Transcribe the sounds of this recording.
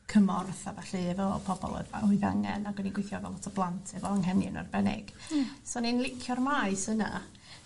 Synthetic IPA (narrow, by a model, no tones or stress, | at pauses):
kʰəmɔrθavaɬɨvɛpʰɔbɔ̰lˠo̰dva̰ʊɨva̰ŋɛ̰naɡ̥wɛniɡwɪjθjɔvɛlˠɔtʰɔblˠantʰɛvɛlˠəŋɦɛnjɨ̰nɔ̰rbɛnɪ̰ɡ̥soninlˠɪkʰjɔrmaɨsəna̰